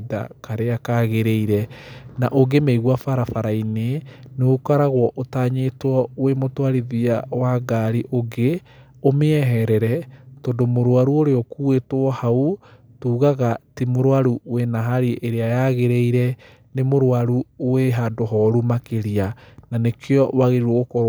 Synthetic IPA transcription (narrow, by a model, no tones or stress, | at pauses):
ða̰kaɾeakaɣeɾeiɾɛnaʔoɡemeiɣwafaɾafaɾaineneokaɾaɣwɔʔotaːɲetwɔwemotwaɾiðiawaɡaɾiʔoɡe | omeɛɦɛɾɛɾɛtɔndomoɾwaɾuoɾeɔkuetwɔhautuːɣaɣatimoɾwaɾuwenaɦaɾiʔeɾeajaɣeɾeiɾɛ | nemoɾwaɾuweɦadoɦɔɾumakeɾiananekʰeɔwaɣeɾiɾwɔɣokɔɾ